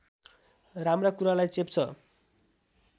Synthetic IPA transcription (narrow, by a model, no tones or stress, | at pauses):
ramrakuɾalajt͡sept͡sʰʌ